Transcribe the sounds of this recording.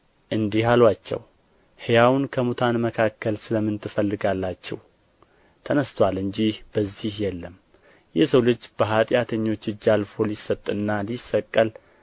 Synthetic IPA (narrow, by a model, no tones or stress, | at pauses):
ʔɨnd̪ihalwat͡ʃːɛ̰w | hejawnkʰəmut̪ʰanməkʰakːəlsɨləmːɨnt̪ʰɨfəlːɨɡalːat͡ʃːɛ̰w | t̪ʰənəst̪ʰwalɨɲd͡ʒihb̥əzːihjɛlːəm | jɛsəwlɨd͡ʒːb̥əɦat̪ʼjat̪ʰəɲːo̞t͡ʃːɨd͡ʒːalfo̞lisːət̪ʼːɨnːalisːəkʼːəl